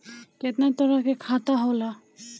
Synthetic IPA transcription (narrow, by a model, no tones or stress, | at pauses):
kɛt̪nat̪ɔɾakɛkʰat̪aɦola